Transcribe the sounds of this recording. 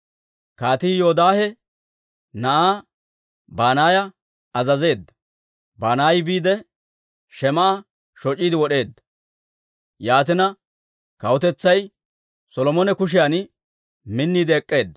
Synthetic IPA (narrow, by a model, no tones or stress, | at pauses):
kaːt̪ijoːd̪aːhɛ | nɐʔaː | baːnaːjɐ | ɐzɐze̞ːd̪ːɐ̥ | baːnaːjbiːd̪ɛ | ʃɛmɐʔɐ | ʃɔt͡ʃʼiːd̪ɪwɔɗe̞ːd̪ːɐ̥ | jaːt̪ɪnɐ | kɐwɔt̪ɛt͡sːɐj | sɔlɔmɔnɛkʊʃ̬ɪjaːn | mɪnːiːd̪ɛɛkʼːe̞ːd̪ːɐ